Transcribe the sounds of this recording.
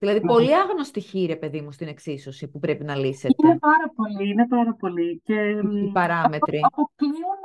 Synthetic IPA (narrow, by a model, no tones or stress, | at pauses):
ðilɐðipo̞liɐɣnost̪içiːɾepe̞ðimust̪ine̞ksiso̞sipupɾe̞pinɐliset̪inepɐɾɐpo̞liinepɐɾɐpo̞lice̞ipɐɾɐme̞t̪ɾiot̪i